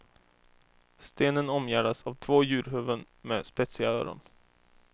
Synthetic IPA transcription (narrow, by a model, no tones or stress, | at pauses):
st̪eːnənɔmjæːɖasavt̪ʰvoːjʉ̟ːɾɦœvən | meːspɛt̪sɪɡaøːɾɔ̰n